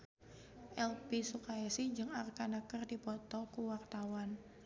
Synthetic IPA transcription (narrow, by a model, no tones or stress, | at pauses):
ʔɛlpisukaɛsiɲd͡ʒɨŋarkanakərdipɔt̪ɔkuwart̪awan